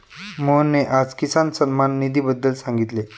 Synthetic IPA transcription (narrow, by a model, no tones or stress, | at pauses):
monːeʔad͡zkisansənmanːid̪iːbəd̪ːəlsaŋɡit̪le